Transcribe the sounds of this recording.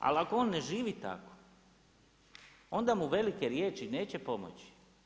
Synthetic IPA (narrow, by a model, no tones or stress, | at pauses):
a̰lakooːnːeʒiːʋit̪a̰ko̥ | o̞nd̪amuʋe̞likeɾje̞ːt͡ʃine̞ːt͡ɕe̞po̞mo̰t͡ɕi̥